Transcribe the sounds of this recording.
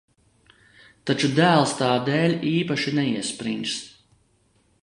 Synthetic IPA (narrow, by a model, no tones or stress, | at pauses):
t̪at͡ʃud̪æːlˠst̪aːd̪ɛːlʲiːpaʃinɛiɛspɾḭns